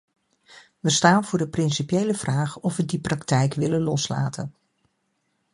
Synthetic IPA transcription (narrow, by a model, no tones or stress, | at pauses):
ʋəstaːnvʊːɹdəprɪnsipjejləv̥raːχɔfʋədiprɑktɛjkʋɪlənlɔsla̰ːtən